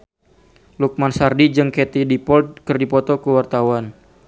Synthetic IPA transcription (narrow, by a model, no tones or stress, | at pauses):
luk̚mansardid͡ʒɨŋket̪idipɔlt̪̚kɨrdipɔt̪ɔkəwart̪awan